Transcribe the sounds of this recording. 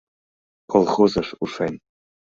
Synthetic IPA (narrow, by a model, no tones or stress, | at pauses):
kolˠχozɤʂuʂɑnʲ